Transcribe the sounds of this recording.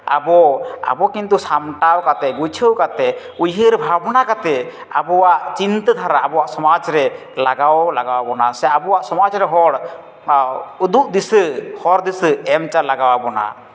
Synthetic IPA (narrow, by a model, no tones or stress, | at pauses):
a̰bɔa̰bɔkint̪̬usamʈawkat̪ɛɡut͡ʃʰəwkat̪ɛ | ujɦəɾbʱabɔnakat̪ɛ | a̰bɔwaʔt͡ʃint̪əd̪ʱaɾaabɔwaʔsɔmad͡ʒɾɛ | laɡawlaɡawabɔnasɛaabɔwaʔsɔmad͡ʒɾɛɦɔɽ | ud̪uʔd̪isəhɔɾd̪isəɛmt͡ʃalaɡawabɔna̰